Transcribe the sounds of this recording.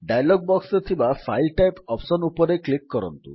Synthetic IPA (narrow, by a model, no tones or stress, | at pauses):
ɖajlɔɡ̚bɔksɔt̪ʰibafʰajlʈajpɔpsɔnupɔɾeklikːɔɾɔ̰nt̪ṵ